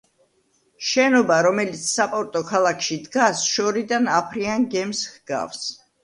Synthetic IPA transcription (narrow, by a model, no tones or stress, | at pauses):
ʃɛnɔbaɾɔmɛlit̪sʰsapʼɔɾt̪ʼɔkʰalˠakʰʃid̪ɡasʃɔɾid̪anapʰɾiaŋɡɛmshɡ̥a̰fs